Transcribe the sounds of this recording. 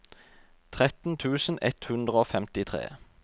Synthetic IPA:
t̪ʰʁɛt̪n̩t̪ʰʉːsn̩ɛt̪hʉnd̪ʁəoːfɛmt̪ɪt̪ʰʁḛː

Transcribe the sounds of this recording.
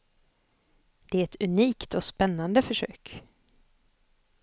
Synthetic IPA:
d̪̥ɛæɾɛt̪ɵniːkt̪ɔspɛnːand̪əfœʂø̰ːk

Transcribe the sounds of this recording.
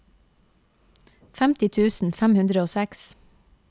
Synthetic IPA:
fæmt̪ɪt̪ʰʉːsn̩fæmhʉnd̪ɾəoːsæks

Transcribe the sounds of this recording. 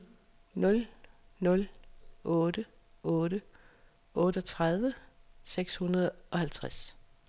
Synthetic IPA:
nɔ̽lnɔ̽lʔɔːɾə | ɔ̽ːɾə | ʔɔ̽ːɾ̥əɒt͡sʰʁɑð̞ˠʋəseɡ̥shunɐð̞̩ˠɒ̽hælt͡sʰʁas

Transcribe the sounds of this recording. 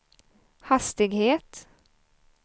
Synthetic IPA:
hɑst̪ɪɡheːt̪

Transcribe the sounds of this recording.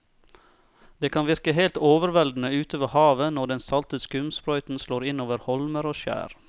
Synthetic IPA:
d̪̥eːkʰɑnʋɪɾkəɦeɪlt̪oːʋəɾʋɛld̪n̩əʉːt̪ʰoːʋəhɑːʋənɔɖɛnsɑlt̪əskʉmspɾɔʏt̪n̩sloːɾɪnoːʋəɾhɔlməɾoːʃæ̰ːɾ

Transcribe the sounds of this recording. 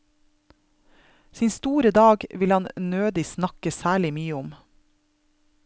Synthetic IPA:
siːnst̪uːɾəd̪ɑːɡʋɪlɑnnøːd̪ɪsnɑkəsæːɭɪmyːəʊm

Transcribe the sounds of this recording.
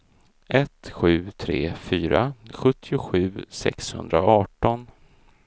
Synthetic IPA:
ʔɛt̪ɧʉ̟ːt̪ʰɾeːfyːɾaɧɵt̪ʰːɪʊɧʉ̟ːsɛ̰kshɵ̰nd̪ɾaɑːʈɔn

